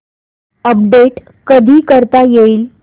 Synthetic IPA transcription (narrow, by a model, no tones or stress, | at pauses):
əp̚ɖeʈ | kəd̪ʱiːkəɾt̪ajeiːl